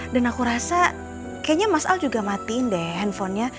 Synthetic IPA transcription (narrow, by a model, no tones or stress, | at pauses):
danakuɾasa | kajaɲamasa̰ld͡ʒuɡamat̪iɪndɛɦɛnfɔnɲa